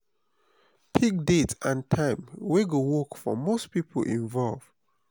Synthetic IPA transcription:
pʰik̚detãntʰãɪ̃mweɡowɔkfɔ̰mospipʰə̰lʔḭ̃ɱvɔlv̥

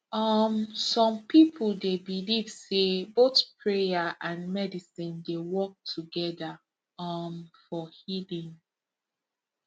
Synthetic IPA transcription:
ʌmsɔ̃mpʰipʰuldebiliv̥sebotpʰɹejaʔãnmɛdisĩndewɔk̚tʰuɡɛda | ʌmfɔhilĩŋ

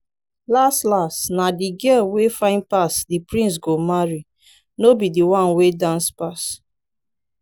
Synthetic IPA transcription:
lastlastnadiɡɛlwefãɪ̃nd̚pasdipɹĩns̬ɡomaɹi | nobidiwãnwedãnspas

